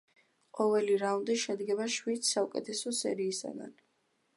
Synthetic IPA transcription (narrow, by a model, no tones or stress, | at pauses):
qʼɔvɛliɾaund̪iʃɛd̪ɡɛbaʃwid̪saukʼɛt̪ʰɛsɔsɛ̰ɾiːsa̰ɡa̰n